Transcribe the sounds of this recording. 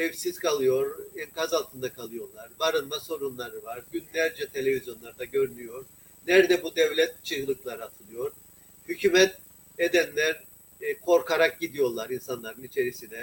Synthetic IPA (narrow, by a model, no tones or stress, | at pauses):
ɛvsiz̥kʰalˠɯjo̞ɾɛnkazalˠt̪ʰɯnd̪akʰalˠɯjo̞ɾlˠaɾbaɾɯnmaso̞ɾunlˠaɾɯvaɾɟynlʲæɾd͡ʒɛt̪ʰe̞lʲe̞vʲizjo̞nlˠaɾd̪aɟø̞ɾynyjo̞ɾ | nɛɾd̪ɛbud̪ɛvlʲɛt̪t͡ʃʰɯɦɯlˠɯklˠaɾɯat̪ʰɯlˠɯjo̞ɾ̥ | hycʰymɛt̪̚ | ed̪ænlʲæɾ | kʰo̞ɾkʰaɾak̚ɟid̪ijo̞ɾlˠaɾinsanlˠaɾɯnit͡ʃʰe̞ɾisinɛ